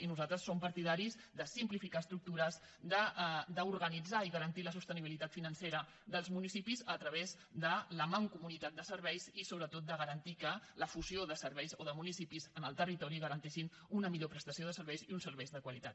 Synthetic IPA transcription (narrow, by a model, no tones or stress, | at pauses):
inuzalˠt̪ɾəsːompəɾt̪iðaɾizd̪əsimplifikaəst̪ɾuk̚t̪uɾəz | d̪əd̪əuɾɣənid͡zaiɣəɾənt̪iləsust̪əniβ̞ilit̪at̪finənseɾə | ðəlˠzmunisipizət̪ɾəβez | d̪ələmaŋkumunit̪at̪̚d̪əsəɾβɛjzisoβɾət̪ot̪̚d̪əɣəɾənt̪ikələfuzioðəsəɾβɛjzoðəmunisipizənəlˠt̪ərit̪ɔɾiɣəɾənt̪ɛʃin | unəmiʎopɾəst̪əsioð̞əsəɾβɛjziunsəɾβɛjzðəkwəlit̪a̰t̪